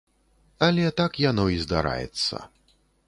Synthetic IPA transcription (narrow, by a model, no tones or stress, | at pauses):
ɐlʲɛt̪akjanɔizd̪a̰ɾa̰jɛ̰t̪sːɐ̰